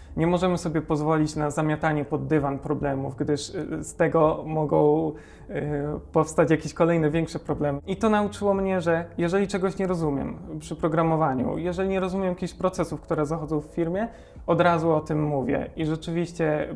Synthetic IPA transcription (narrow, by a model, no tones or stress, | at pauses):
ɲɛmɔʐɛmɘsɔbʲjɛpɔzvɔlʲit͡ɕnazamʲjat̪aɲɛpɔd̪ːɘvanpɾɔblɛmṵfɡd̪ɘʂst̪ɛɡɔmɔɡɔ̃w̃ | pɔfst̪at͡ɕjakʲeɕkɔlɛjnɛvʲjɛŋkʂɛpɾɔblɛmɘit̪ɔnaut͡ʂɘwɔmɲɛʐɛjɛʐɛlʲit͡ʂɛɡɔɕɲɛɾɔzumʲjɛ̰mpʂɘpɾɔɡɾamɔvaɲṵjɛʐɛlʲiɲɛɾɔzumʲjɛmjakʲiɕpɾɔt̪sɛsufkt̪uɾɛzaxɔd̪zɔ̃w̃fːʲiɾmʲjɛ | ɔd̪ɾazuɔt̪ɘmːuvʲjɛ̰iʐɛt͡ʂɘvʲiɕt͡ɕɛ